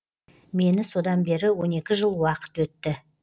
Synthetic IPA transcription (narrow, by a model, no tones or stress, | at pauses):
me̞nɪso̞d̪ɑnbe̞ɾɪwo̞ne̞kʲɪʒəlˠwɑqə̥t̪wɵt̪ːɪ